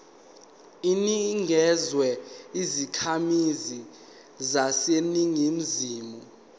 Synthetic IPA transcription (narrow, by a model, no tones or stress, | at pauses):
iniŋʱɛzwɛizikʰamizi | zaseniŋim̩ziːmɔ